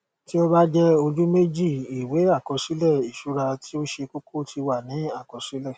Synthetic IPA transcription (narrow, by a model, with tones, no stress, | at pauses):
ti˦o˦ba˦d͡ʒɛ˦o˧d͡ʒu˦me˦d͡ʒi˦˨i˨we˨˦a˦˨kɔ˧ʃi˨˦lɛ˦˨i˨ʃu˨˦ɾa˧ti˦o˦ʃe˧ko˦kʰo˦˨ti˧wa˦˨nĩ˨˦a˦˨kɔ˧ʃi˦lɛ˦˨